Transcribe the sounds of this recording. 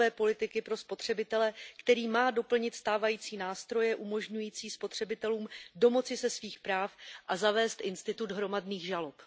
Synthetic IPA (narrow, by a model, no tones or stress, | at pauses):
ɛːpo̞lɪt̪ɪkɪpɾo̞spo̞t̪r̝̥ɛbɪt̪ɛlɛkt̪ɛɾiːmaːdo̞pl̩ɲɪt̪st̪aːvajiːt͡siːnaːst̪ɾo̞jɛʔumo̞ʒɲujiːt͡siːspo̞t̪r̝̥ɛbɪt̪ɛluːmdo̞mo̞t͡sɪsɛsviːxpɾaːfʔazavɛːst̪ʔɪnst̪ɪt̪ud̪ɦɾo̞madniːɣʒalo̞p